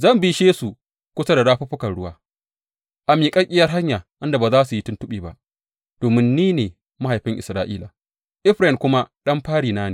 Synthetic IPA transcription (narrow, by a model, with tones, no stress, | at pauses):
zɐ˦˨mbi˦ʃeː˦su˨ | kʷʊ˦sɐ˦da˨daː˦ɸu˦ɸʊ˦kɐ˨nɽʊ˦waː˦ | ʔa˨miː˨kʼɐ˦kʲʼɪ˦jɐ˦rɦa˦ɲjaː˨ʔɪ˦nda˨baː˨zaː˦su˨ji˦tʊ˦ntʊ˦ɓiː˨ba̰˦˨ʔ | d̥oː˨mɪ˦nːiː˦neː˨ | ma˦ha˨jɸɪ˦ŋʔɪ˨sɾaː˦ʔḭː˦la˨ | ʔɪ˦ɸɾɛ˨kʷʊ˦ma˦ɗɐ˦mɸaː˦ɽiː˨naː˦ne˨